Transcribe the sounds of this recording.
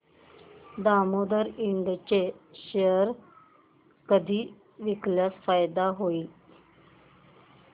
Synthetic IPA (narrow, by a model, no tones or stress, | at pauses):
d̪amod̪əɾiɳɖt͡ɕeɕeəɾ | kəd̪ʱiː | ʋikljasfajd̪aɦoiː